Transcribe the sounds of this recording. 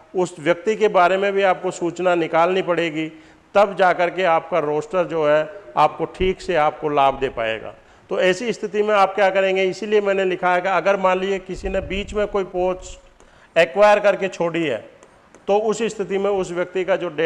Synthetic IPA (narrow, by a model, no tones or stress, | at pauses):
ʊsʋjɐk̚t̪ikebaːɾemẽbʱiaːp̚kosuːt͡ʃnanɪkaːlnipɐɽeːɡi | t̪ɐbd͡ʒaːkɐɾkeaːp̚kaɾoːsʈəɾd͡ʒoːɦɛaːp̚koʈʰiːkseaːp̚kolaːbʱd̪eːpa̰ːḛːɡa̰ː | t̪oːɛːsiɪst̪ʰɪt̪imẽaːp̚kjaːkɐɾẽːŋɡeɪsiliemɛ̃ːnelɪkʰaɦɛkiɐɡəɾmãːnliekɪsinebiːt͡ʃmẽkoːipoːt͡ʃ | ɛːkʋaːjəɾkɐɾket͡ʃʰoːɽiɦɛ̰ː | t̪oʊsɪst̪ʰɪt̪imẽʊsʋjɐk̚t̪ikad͡ʒoːɖeː